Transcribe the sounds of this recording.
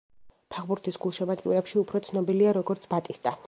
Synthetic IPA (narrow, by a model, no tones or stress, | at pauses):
pʰaʁbuɾt̪ʰisɡulˠʃɛbat̪ʼiṵɾɛpʃiupʰɾɔt̪sʰnɔbiliaɾɔɡɔɾt̪sʰbat̪ʼist̪ʼa